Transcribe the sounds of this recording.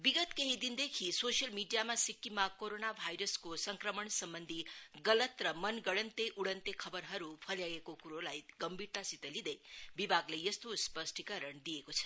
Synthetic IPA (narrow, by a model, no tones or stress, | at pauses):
biɡʌt̪keɦid̪ind̪ekʰisosijʌlmiɖijamasikːimakoɾonabʱajɾʌskosʌŋkrʌmʌɳsʌmbʌnd̪ʱiɡʌlʌt̪rʌmʌnɡʌɽʌnt̪eʔuɽʌnt̪ekʰʌbʌrɦʌɾupʰʌljaɡekokuɾolajɡʌmbiɾt̪asit̪ʌlid̪ʌjbibʱaɡlejʌst̪ospʌsʈʰikʌɾʌɳd̪ijekot͡sʰʌ̥